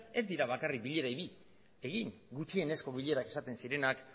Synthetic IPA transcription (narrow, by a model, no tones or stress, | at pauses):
e̞zd̪iɾaβ̞akarik̚biʎe̞ɾajβi | e̞ɣiŋɡut͡ʃie̞ne̞sko̞β̞iʎe̞ɾake̞sat̪e̞nsiɾe̞nak